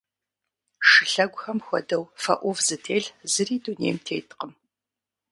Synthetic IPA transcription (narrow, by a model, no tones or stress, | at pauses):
ʂɨɬɐɡʷxɐmxʷɔ̰dɐwfɐ̰ʔʷɔvzɨtʰeːɮzɨriːdunḛːjmtʰḛːtqəm